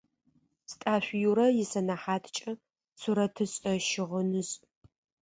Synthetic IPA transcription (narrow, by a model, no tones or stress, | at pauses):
stʼaːɕʷjuɾɐjɪsɐnaħaːtʰt͡ʃʼɐ | suɾɐtʰɨɕʼɐʃɪʁənɨɕʼ